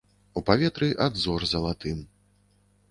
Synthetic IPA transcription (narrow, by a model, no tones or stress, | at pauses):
upavʲɛt̪ɾɨʔad̪zɔrzɐlˠat̪ɨm